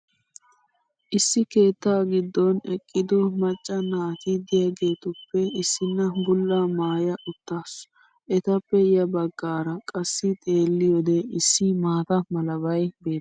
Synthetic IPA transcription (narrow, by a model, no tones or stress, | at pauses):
ʔɪsːɪke̞ːt̪ːaːɡɪd̪ːɔnɛkʼːɪd̪ɔmɐt͡ʃʼːɐnaːt̪ɪd̪ɪjɐɡe̞ːt̪ʊpːɛɪsːɪnːɐbʊlːaːmaːjɐʔʊt̪ːaːs | ʔɛt̪ɐpːɛɪjɐbɐɡːaːɾɐkʼɐsːɪt̪ʼe̞ːlːɪjɔd̪ɛɪsːɪmaːt̪ɐmɐlɐbɐjbe̞ːt̪ː